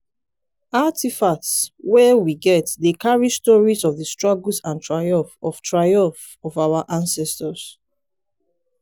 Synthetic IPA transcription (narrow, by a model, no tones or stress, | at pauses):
atifaswɛwiɡɛtdekaɹistɔɹizɔvðəstɹɔɡlsãntʰɹajɔ̃ɱfɔftʰɹaɪjɔ̃ɱf | ɔvawaʔãnsɛstəs